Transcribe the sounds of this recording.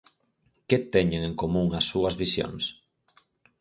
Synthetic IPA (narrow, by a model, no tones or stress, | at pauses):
ket̪ɛɲeŋẽŋkomũŋɐsːuɐzβisjo̰ŋs